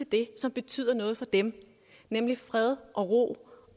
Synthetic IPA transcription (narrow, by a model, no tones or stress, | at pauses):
e̝ld̥e̝sɒ̽mb̥e̝t͡sʰy̰ð̰ˠɐnɔ̽ːð̞̩ˠfɒ̽d̥em | nemlifʁɛð̞ˠʔɒ̽ʁo̝̰ː